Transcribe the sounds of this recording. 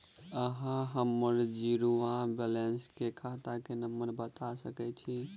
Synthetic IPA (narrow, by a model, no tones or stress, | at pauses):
əɦãɦəmːəɾd͡ʒiɾuãbɛlenskekʰat̪akenəmːəɾbət̪asəkɛt͡ʃʰi